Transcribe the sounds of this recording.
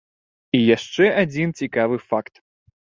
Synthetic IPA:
ijaʂt͡ʂɛad͡zʲint͡sʲikavɨfakt̪

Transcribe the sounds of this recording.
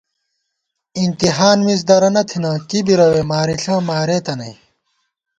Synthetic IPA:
int̪iɦaːnmis̬d̪ɐɾɐnɐt̪ʰinɐkibiɾɐweːmaːɾiɬãːmaːɾeːt̪ɐnɐj

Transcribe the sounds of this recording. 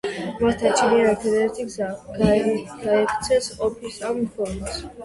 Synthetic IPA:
mast̪ʰant͡ʃʰiniaɛtʰɛd̪ɛɛt̪ʰiɡzaɡɡaɛkʰt̪sʰɛsɔpʰisampʰɔns

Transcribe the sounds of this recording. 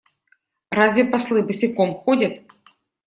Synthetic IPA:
razʲvʲɛpaslˠɨbɨsʲɪkɔmxɔdʲɐt̪

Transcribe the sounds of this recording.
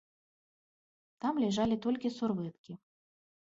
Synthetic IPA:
t̪amlʲɛʐalʲit̪ɔlʲkʲisurvɨt̪kʲi

